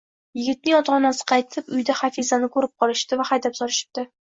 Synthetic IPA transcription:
jɪɡʲɪt̪̚nɪŋɒt̪ʰɒnasɪ̥qʰɑjt̪ʰɪpʊjd̪aχafizanɪkʰɵɾɪp̚qʰɒlɪʃt̪ɪvaχajd̪apsɒɾɪʃɪ̥p̚t̪ɪ

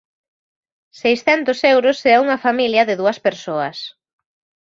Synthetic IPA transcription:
sejsθɛnt̪ʊsewɾʊsɛuŋɐfamiljɐðɪðuɐspeɾsoɐs

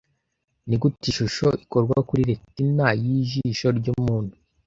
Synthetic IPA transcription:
niɡutiʃuʃo̞ʔikoɾɡwakuɾiɾetinajiʒiʃo̞ɾɟuːmuːnhu

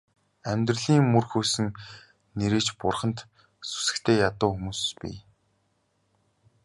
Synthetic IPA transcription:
æmʲt̪rə̆ɮiːŋmɵrxuːsɘ̆ŋ | neɾĕːt͡ɕpʊrχə̆nt̪ | su̥sɘ̥̆kt̪ʰeːjat̪ʊːxumuːspḭː

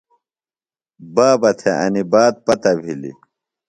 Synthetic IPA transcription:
baːbɐt̪ʰeʔɐ̰nibaːd̪̚pɐt̪ɐbʱilḭ

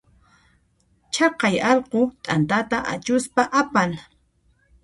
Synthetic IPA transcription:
t͡ʃɑqɑjɑlqot̪ʼant̪at̪aʔa̰t͡ʃʊspaʔapal

